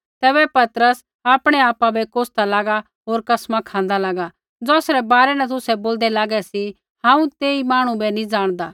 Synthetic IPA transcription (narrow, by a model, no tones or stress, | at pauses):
t̪ɛːbɛpɐt̪əɾəs | aːpɽ̃ɛaːpabɛkoːst̪alaːɡa | ɦoːɾkɐsmãkʰãːn̆d̪alaːɡa | d͡zɔːsɾɛbaːɾɛnɛ̃t̪̬ʊsɛboːld̪ɛlaːɡɛsi | hãːũt̪eːimaːɽ̃ũbɛnĩd͡zaːɽ̃d̪aː